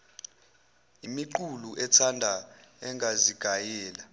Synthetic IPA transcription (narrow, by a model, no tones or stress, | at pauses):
imiǃuluʔɛtʰandʱaɛŋʱaziɡ̥ʱajɛːla